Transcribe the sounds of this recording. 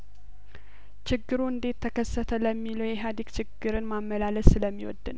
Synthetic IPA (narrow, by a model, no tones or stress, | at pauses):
t͡ʃʰɪɡːɨɾuɨnd̪e̞t̪ʰːəkʰəsːət̪ʰələmːiləwjɛɦad̪ikt͡ʃʰɪɡːɨɾɨnmamːəlaləsɨləmːiwɔ̰d̪ːɨn